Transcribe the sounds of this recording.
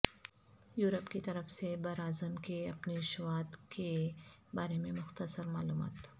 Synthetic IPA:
juːɾəpkit̪ɐɾəfsebɐɾaːzəmkeɐpniʃʊwaːt̪kʰebaːɾemẽmʊxt̪əsəɾmaːluːma̰ːt̪

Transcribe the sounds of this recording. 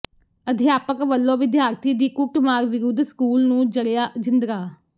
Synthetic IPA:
əd̪ʱjaːpəkʋəlːõːʋɪd̪jaːɾt̪iːd̪iːkʊʈmaːɾʋɪɾʊd̪ʱskuːlnũːd͡ʒəɽjaːd͡ʒɪnd̪ɾaː

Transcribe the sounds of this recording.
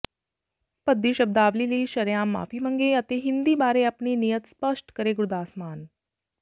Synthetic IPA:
pəd̪ːiːɕɐb̚d̪aːʋliːliːɕəɾjamːa̰ːfiːməŋɡeət̪eɦind̪iːbaːɾeɐpɳiːnijət̪spəʂʈkəɾeɡɾud̪aːsmaːn

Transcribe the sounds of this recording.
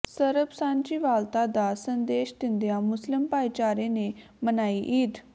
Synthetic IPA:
səɾəbsãːnd͡ʒiːʋaːlt̪aːd̪aːsənd̪eːʃd̪ɪnd̪ejaːmʊslɪmpaːit͡ʃaːɾeːneː | mənaːiːʔiːd̪

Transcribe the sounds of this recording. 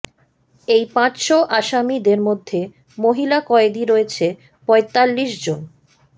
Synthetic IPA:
ejpãt͡ɕʃoʔaʃamid̪eɾmod̪ʱːe | moɦilakɔed̪iɾoet͡ɕʰe | pɔet̪alːiʃd͡ʑon

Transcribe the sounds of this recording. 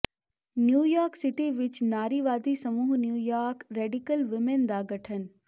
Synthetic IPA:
njuːjaːɾksɪʈiʋɪt͡ʃnaːɾiːʋaːd̪isɐmuːɦnjuːjaːɾkɾeːɖikəlʋɪmend̪aːɡɐʈʰən

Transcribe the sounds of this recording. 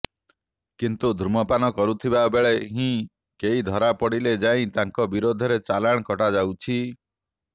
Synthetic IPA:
kint̪ud̪ʱɾumɔpanɔkɔɾut̪ʰibabeɭeɦĩ | keɦid̪ʱɔɾapɔɽiled͡ʒaĩt̪aŋkɔbiɾod̪ʱɔɾet͡ʃalaɽ̃kɔʈad͡ʒawt͡ʃʰi

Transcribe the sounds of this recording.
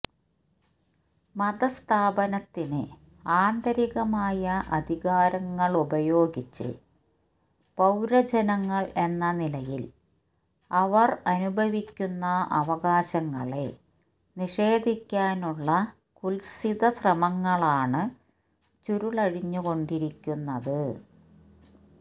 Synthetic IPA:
mɐd̪ɐst̪ʰaːbɐnɐt̪ːinɨ | aːnd̪ɐɾiɣɐmaːjɐʔɐd̪ʱiɣaːɾɐŋːɐɭubɐjo̞ːɡit͡ɕːɨ̰ | pɐwɾɐd͡ʑɐnɐŋːɐɭe̞nːɐnilɐjil | ɐʋɐrɐnubʱɐʋikʲːunːɐɐ̰ʋɐɣaːɕɐŋːɐɭe̞ | niʂe̞ːd̪ʱikʲːaːnuɭːɐ | kulsid̪ɐsrɐmɐŋːɐɭaːɳɨ | t͡ɕuɾuɭɐɻiɲːuɣo̞ɳɖiɾikʲːunːɐðɨ

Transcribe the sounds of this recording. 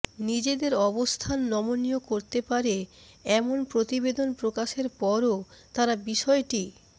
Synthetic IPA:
nid͡ʑed̪eɾɔbost̪ʰanːɔmoniokoɾt̪epaɾe | ɛmonpɾot̪ibed̪onpɾokaʃeɾpɔɾot̪aɾabiʃɔeʈi

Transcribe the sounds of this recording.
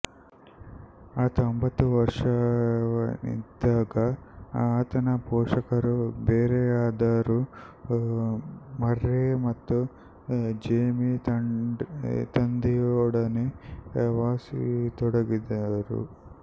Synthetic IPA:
at̪ombɐt̪uʋɐɾʂaɐnḭd̪aːɡɐaːt̪ɐnɐpɔːʂɐkɐɾubeːɾeːaːd̪aːɾu | mɐɾːeːmɐt̪ːu | d͡ʒeːmi | t̪ɐnd̪ijɔːɽɐneʋaːsḭt̪ɔɽɐɡid̪aːɾṵ

